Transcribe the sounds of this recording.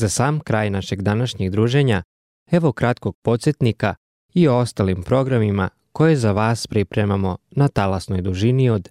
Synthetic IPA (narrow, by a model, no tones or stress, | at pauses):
zasaːmkɾaːjnaʃeɡd̪anaʃɲeɡd̪ɾuːʒe̞ɲa | eʋo̞kɾat̪koɡ̥̚po̞t̪set̪nika | ioo̞st̪alimpɾo̞ɡɾamima | ko̞jezaʋaːspɾipɾe̞mamo̞nat̪alasno̞jd̪uʒiniod̪